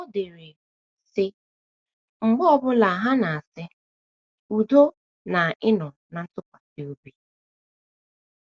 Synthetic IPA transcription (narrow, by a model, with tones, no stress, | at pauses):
ʊ˦de˨ɾe˨ | sɪ˦ | ŋ͡m̩˨ɡ͡bɔ˦bʊ˦la˨a˨ɦa˦na˨a˨sɪ˦ | u˨do˦ | na˨ʔɪ˦nɔ˨ | na˨n̩˦tʊ˦kʷḁ˨te˨o˦bi˦